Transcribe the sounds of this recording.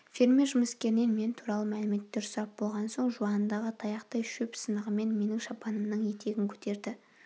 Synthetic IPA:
fʲeɾmʲe̞ɾʒʊməskʲe̞ɾɪne̞nme̞nt̪ʰuɾɑlˠəmælɪme̞t̪ːeɾsʊɾɑp̚bo̞lˠʁɑnso̞ɴʒuɑnənd̪ɑʁət̪ʰɑjɑqt̪ɑjʃɵpsənəʁəme̞nme̞nɪŋʃɑpɑnəmnəɴje̞t̪ʰe̞ɡʲɪŋkʲʰɵ̥t̪ʰe̞ɾd̪ɪ

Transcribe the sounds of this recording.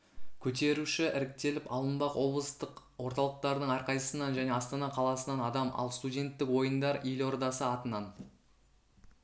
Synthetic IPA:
kʲʰɵt̪e̞ɾuʃɪʔɪɾɪk̚t̪e̞lɪpɑlˠənbɑqwʔo̞blˠəst̪əq | wo̞ɾt̪ɑlˠəq̚t̪ɑɾd̪əɴɑɾqɑjəsənɑnʒæne̞ɑst̪ɑnɑqʰɑlˠɑsənɑnɑd̪ɑmʔɑ̰lˠst̪udʲe̞nt̪ːɪkwo̞jənd̪ɑɾʔijlo̞ɾd̪ɑsəɑt̪ənɑn

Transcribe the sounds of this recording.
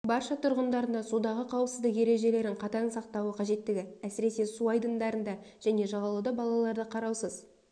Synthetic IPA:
bɑɾʃɑt̪ʰʊɾʁənd̪ɑɾənd̪ɑsud̪ɑʁəqʰɑwəpsəzd̪əqje̞ɾe̞ʒe̞le̞ɾɪɴqʰɑt̪ɑnsɑq̚t̪ɑwəqʰɑʒe̞t̪ːɪɡʲɪæsɪɾe̞se̞suɑjd̪ənd̪ɑɾənd̪ɑ | ʒ̥æne̞ʒɑʁɑlˠɑd̪ɑbɑlˠɑlˠɑɾd̪əqʰɑɾɑwsəz

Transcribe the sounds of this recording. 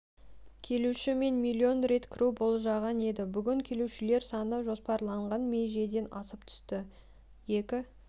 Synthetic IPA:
kʲʰe̞luʃɪme̞nmilʲːio̞nɾe̞t̪kʲʰɪɾubo̞lˠʒɑʁɑne̞d̪ɪbʏɡʲɪŋkʲʰe̞luʃɪle̞ɾsɑnəʒo̞spɑɾlˠɑɴʁɑnmeʒe̞d̪e̞nɑsəpt̪ʰʏ̥st̪ɪ | je̞kʲɪ

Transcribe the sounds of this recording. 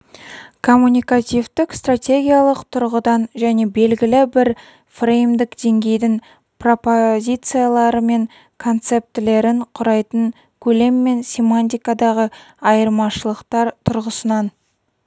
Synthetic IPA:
kʰo̞mːunʲijkat̪ʲivt̪ɪkst̪rat̪ʲe̞ɡʲijalˠəqt̪ʰʊɾʁəd̪ɑnʒæne̞be̞lɡʲɪlɪbɪɾ | frejmd̪ɪkd̪̥e̞ŋɡʲe̞jd̪ɪŋ | pro̞pozʲit̪sɨjalˠɑɾəme̞ŋ | kʰo̞nt̪se̞p̚t̪ɪle̞ɾɪɴqʰʊɾɑjt̪əɴ | kʲʰɵle̞mːe̞nsʲemanʲt̪̬ʲijkad̪ɑʁə | ɑjəɾmɑʃəlˠəqt̪ɑɾt̪ʰʊɾʁəsənɑn

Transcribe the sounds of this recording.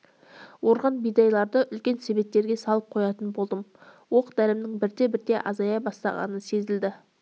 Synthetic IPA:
wo̞ɾʁɑnbijd̪ɑjlˠɑɾd̪əʔʏlkʲe̞nse̞be̞p̚t̪ːe̞ɾɡʲesɑlˠəp̚qʰo̞jɑt̪ənbo̞lˠd̪əmwo̞qd̪ælɪmnɪŋbɪɾd̪e̞bɪɾd̪e̞ʔɑ̰zɑjɑbɑst̪ɑ̰ʁɑ̰nəse̞zɪld̪ɪ

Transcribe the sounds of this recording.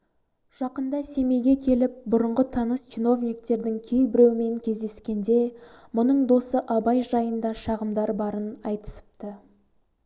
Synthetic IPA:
ʒ̥ɑqənd̪ɑse̞me̞jɡʲe̞kʲʰe̞lɪp̚bʊɾəɴʁət̪ʰɑnəst͡ʃʰino̞vnʲikt̪e̞ɾd̪ɪŋkʲʰelbɪɾe̞wɪme̞ŋkʲʰe̞zd̪e̞skʲe̞nd̪e̞mʊnəɴd̪o̞səʔɑbɑjʒɑjənd̪ɑʃɑʁəmd̪ɑɾbɑɾənɑjt̪ə̥sə̥p̚t̪ə

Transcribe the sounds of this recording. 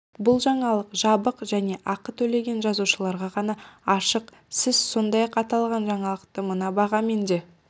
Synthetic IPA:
bʊlˠʒɑɴɑlˠəqʒɑbəqʒæne̞ʔɑqət̪ʰɵle̞ɡʲe̞nʒɑzuʃəlˠɑɾʁɑʁɑnɑɑʃəq | sɪzso̞nd̪ɑjɑqɑt̪ɑlˠʁɑnʒɑɴɑlˠəqt̪əmənɑbɑʁɑme̞nd̪e̞

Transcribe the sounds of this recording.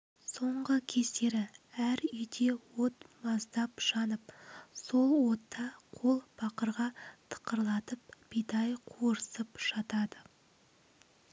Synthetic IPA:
so̞ɴʁəkʲʰe̞st̪e̞ɾɪæɾʏjd̪e̞wot̪mɑzd̪ɑpʃɑnəp̚so̞lˠwo̞t̪ːɑqʰo̞lˠb̥ɑqəɾʁɑt̪ʰə̥qəɾlˠɑt̪əp̚b̥ijd̪ɑjqʰoɾəsəpʃɑt̪ɑd̪ə

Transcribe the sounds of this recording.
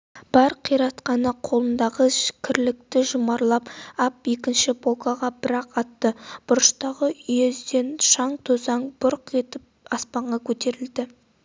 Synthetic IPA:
b̥ɑɾqʰijɾɑt̪qɑnəqʰo̞lˠənd̪ɑʁəkʲʰɪɾlɪk̚t̪ɪʒʊmɑɾlˠɑpɑpje̞kʲɪnʃɪbokɑʁɑbɪɾɑqɑt̪ːəb̥ʊɾəʃt̪ɑʁəʏjezd̪enʃɑɴt̪ʰozɑɴbʊɾqe̞t̪ɪp̚ɑspɑɴʁɑkʲʰɵt̪e̞ɾɪld̪ɪ

